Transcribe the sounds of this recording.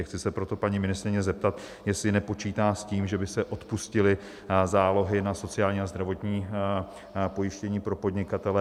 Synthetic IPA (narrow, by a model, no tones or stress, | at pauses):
xt͡sɪsɛpɾo̞t̪o̞paɲiːmɪnɪst̪ɾɪɲɛzɛp̚t̪at̪jɛslɪnɛpo̞t͡ʃiːt̪aːsciːmʒɛbɪsɛʔo̞t̪puscɪlɪ | zaːlo̞ɦɪnaso̞t͡sɪaːlɲiːazd̪ɾavo̞t̪ɲiː | po̞jɪʃcɛɲiːpɾo̞po̞d̪ɲɪkat̪ɛlɛ